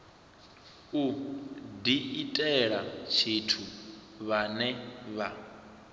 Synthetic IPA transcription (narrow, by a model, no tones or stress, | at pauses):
u | diitʼɛɺat͡ʃʰitʰu | βanɛβa